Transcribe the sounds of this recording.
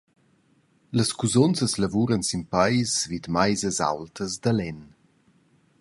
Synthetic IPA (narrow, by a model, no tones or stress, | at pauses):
ləskuzɔnsəsləvuɾənsimpajsvid̪majzəza̰wltəzd̪alɛn